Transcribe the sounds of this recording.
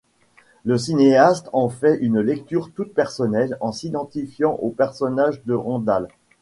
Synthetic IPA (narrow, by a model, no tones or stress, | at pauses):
ləs̬ineast̪ɑ̃fɛʔynlɛk̚t̪yʁt̪ut̪̚pɛʁsɔnɛlɑ̃sid̪ɑ̃t̪ifjɑ̃ʔopɛʁsɔnaʒd̪əʁɑ̃d̪al